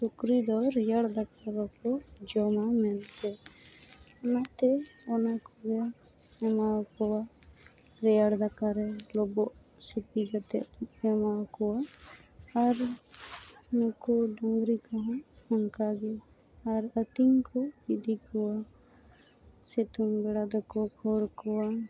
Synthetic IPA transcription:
sukɾid̪ɔɾɛjaɽd̪akalɔkɔd͡ʒɔmamɛnt̪ɛ | nat̪ɛɔnakɔɡɛ | ɛmakɔwa | ɾɛjaɽd̪akaɾɛlɔbɔʔ | sipiɡat̪ɛ̰ʔɛmakɔwaː | ɾ | nɔkɔɖɔŋɡɾikɔɦãɔnkaɡɛ | aɾət̪iŋkɔbid̪ikɔwa | sɛt̪umbɛɽad̪ɔkɔkʰɔɾkɔwa

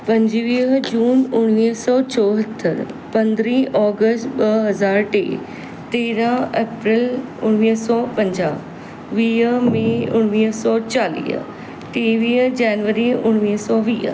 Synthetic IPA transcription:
pɐ̃ɲd͡ʑʋiːd͡ʑuːnʊɽ̃ʋiːsɔːt͡ɕɔːɦət̪ʰːə̰ɾpɐ̃nd̪ɾĩːɔːɡəsʈɓɐɦɐzaːɾʈḛː | t̪eːɾãeːpɾɪlʊɽ̃ʋiːɦsɔːpɐ̃ɲd͡ʑaː | ʋiːmẽʊɽ̃ʋiːɦsɔːt͡ɕaːlḭːɦ | ʈiːʋiːd͡ʑɛːnʋəɾiʊɽ̃ʋiːɦsɔːʋiːɦ

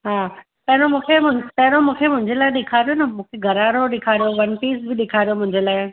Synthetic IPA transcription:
ɦaː | pɐ̃ɦɪ̃nomũːkʰemʊ̃pɐ̃ɦɪnomũːkʰemʊ̃ɦɪ̃ɲd͡ʑelaːɪɗɪkʰaːɾijonɐmũːkʰeɡʱɐɾaːɾoɗɪkʰaːɾijoʋɐnpiːsbɪɗɪkʰaːɾijomʊ̃ɦɪ̃ɲd͡ʑelaːɪ

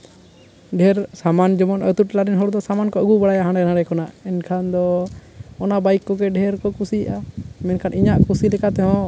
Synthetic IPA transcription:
ɖʱɛɾsamand͡ʒɔmɔnə̰t̪uʈlaɾinɦɔɾd̪ɔsamankɔəɡubaɽajaɦãɳɖɛnãɽɖɛkɔnaʔɛnkʰand̪ɔ | ɔnabajkːɔɡɛɖʱɛɾkɔkusijʔamɛnkʰaniɲaʔkusilɛkat̪ɛɦɔ̃

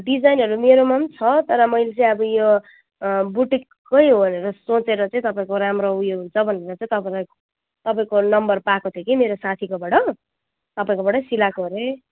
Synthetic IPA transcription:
ɖid͡zajnɦʌɾumeɾomʌmt͡sʰʌt̪ʌɾʌmʌjlet͡sʌĩʌbʌjo | buʈikːʌjɦobʱʌneɾʌsot͡seɾʌt͡sʌĩt̪ʌpaĩkoɾamroujoɦunt͡sʰʌbʱʌneɾʌt͡saĩt̪ʌpalʌ | t̪ʌpaĩkonʌmbʌrpakot̪ʰjekimeɾosat̪ʰikobʌɽʌ | t̪ʌpaĩkobʌɽʌsilakoɾe

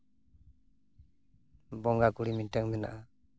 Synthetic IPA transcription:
bɔŋɡakuɽiminʈəŋmɛna̰ʔa

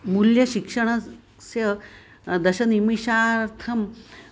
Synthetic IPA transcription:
muljɐɕikʂɐɳ̃ɐ | sjɐ | d̪ɐɕɐnimiɕaːɾɾt̪ʰɐm

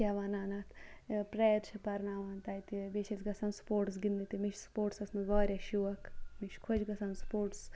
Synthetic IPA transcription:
kʲaʋaːnaːnat̪ʰpɾejɾt͡ʃʰɐpɐɾnaːʋaːnt̪aːjit̪ibit͡ʃʰɐsʲɡɐsɐnspoːɾʈs̬ɡind̪it̪imit͡ʃʰspoːʈsɐsnɐʋɐːɾʲaʃuʋɐkmit͡ʃʰkʰod͡ʒɡɐsɐnspoːɾʈs

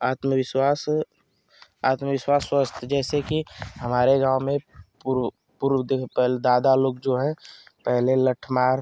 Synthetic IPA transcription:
aːt̪məʋɪswaːs | a̰ːt̪məʋɪʃwaːsːwəst̪ʰd͡ʒɛːsekiɦɐmaːɾeɡãːʊmẽpuɾ | puɾwd̪epɛld̪aːd̪aloːɡd͡ʒoɦɛ̃pɛɦleləʈʰmaːɾ

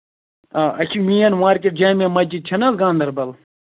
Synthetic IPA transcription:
aːɐkʲʰimĩjɐnwaːɾkʲeʈ̚d͡ʒaːmʲemɐd͡ʒid̪̚t͡ʃʰɐnɐlɡãːnd̪ɐɾbɐl

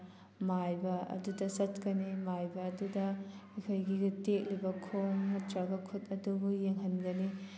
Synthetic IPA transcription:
majbɐɐ̰dudɐsɐtkɐnimajbɐːdudɐikʰojɡiɡitek̚libɐkʰomnɐtɾɐɡɐkʰutɐdubujeŋɦɐnɡɐni

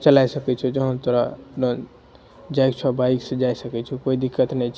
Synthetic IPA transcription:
t͡ʃəlajsəkɛt͡ʃʰɛd͡ʒəɦənt̪əɾaɖon | d͡ʒajkt͡ʃʰɔbaiksẽd͡ʒajsəkɛt͡ʃʰɛkoid̪ikːət̪nɛjt͡ʃʰ

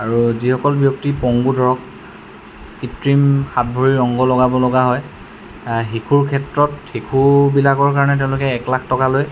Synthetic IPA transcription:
aɹuzixɔkɔlbjɔk̚tipɔŋɡudʱɔɹɔk̚ | kitɹimxat̚bʱoɹiɹɔŋɡɔlɔɡabɔlɔɡaɦɔj | ɦikʰuɹkʰɛtɹɔtxikʰubilakɔɹkaɹɔnɛt̬ɛʊ̃lʊkɛːklakʰtɔkaloj

